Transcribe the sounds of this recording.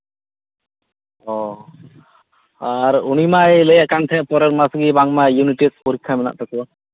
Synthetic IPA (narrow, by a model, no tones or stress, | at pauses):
ɔ | aɾunimaɛləjaʔkant̪ʰɛʔpɔɾəɾmasɡibaŋmajuniʈispɔɾikʰːamɛna̰ʔt̪ʰaka